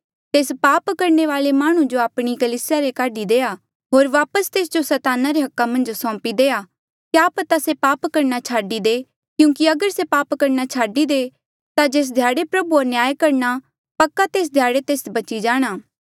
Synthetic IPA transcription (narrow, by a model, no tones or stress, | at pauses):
t̪eːspaːpkɐɾɳeʋaːlemaːɽ̃ũd͡ʒoaːpɽ̃ikɐliːsɪjaɾekaːɖid̪eːa | ɦoːɾʋaːpəst̪eːs̬d͡ʒosɐt̪aːnaɾeɦɐkːamɐ̃nd͡ʒsɔ̃ːpid̪eːa | kjaːpət̪asepaːpkɐɾnat͡ʃʰaːɖid̪eː | kjũːkiɐɡəɾsepaːpkɐɾnat͡ʃʰaːɖid̪e | t̪ad͡ʒeːs̬d̪ʱjaːɽepɾɐbuoɾnɪjaːjkɐɾna | pɐkːat̪eːs̬d̪ʱjaːɽet̪eːsbɐt͡ʃid͡ʒaːɽ̃aː